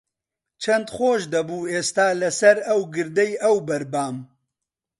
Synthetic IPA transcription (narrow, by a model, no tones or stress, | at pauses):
t͡ʃʰɐnd̪xoːʃd̪ɐbuːeːst̪aːlɐsɐɾɐwɡɨɾd̪ɐjɐwbɐɾbaːm